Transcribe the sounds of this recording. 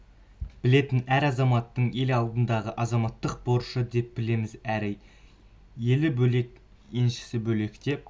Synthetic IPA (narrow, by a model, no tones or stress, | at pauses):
b̥ɪle̞t̪ɪnæɾɑzɑmɑt̪ːəɴe̞lɑlˠd̪ənd̪ɑʁəʔɑzɑmɑt̪ːəq̚bo̞ɾʃəd̪e̞p̚bɪle̞mɪzæɾɪj | je̞lɪbɵle̞k | e̞nʃɪ̥sɪbɵle̞kʲt̪e̞p̚